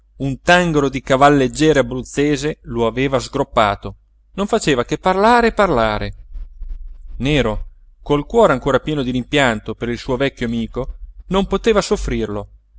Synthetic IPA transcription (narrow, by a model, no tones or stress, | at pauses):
unt̪aŋɡoɾod̪ikavalːed͡ʒːɛːɾeabɾut̪sːeːzeloaveːvazɡɾopːaːt̪o | noɱfat͡ʃeːvakepːarlaːɾeːpːarlaːɾe | neːɾo | kolkwɔːɾeaŋkoːɾapjɛːnod̪iɾimpjant̪opeɾilsuːovɛkʲːoamiːkonompot̪eːvasofːɾirlo